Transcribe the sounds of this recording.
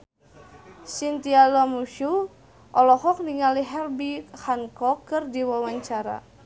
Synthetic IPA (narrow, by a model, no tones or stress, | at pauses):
sint̪ialɔmuʃu | ʔɔlɔhɔk̚niŋaliɦɛrbihankɔkːɨrdiwawaɲt͡ʃaɾa̰